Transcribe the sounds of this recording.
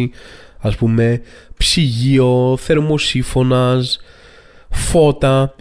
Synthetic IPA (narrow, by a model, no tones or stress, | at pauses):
i | ɐspume̞ | psiʝio̞θe̞ɾmo̞siɱfo̞nɐs | fo̞t̪ɐ